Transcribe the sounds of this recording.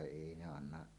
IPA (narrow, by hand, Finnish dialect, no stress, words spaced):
eˑi ne ɑnːɑʔ